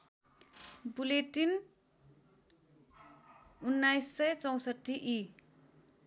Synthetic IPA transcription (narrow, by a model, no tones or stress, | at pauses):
buleʈin | unːajsːʌjt͡sʌw̃sʌʈːiʔi